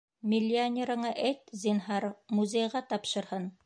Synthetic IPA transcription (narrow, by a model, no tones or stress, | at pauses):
mʲɪlʲːɪanʲeɾɤ̆ɴɑʔejt̪zʲinɦɑɾmuzʲejʁɑt̪ɑpʃɤ̆ɾhɤn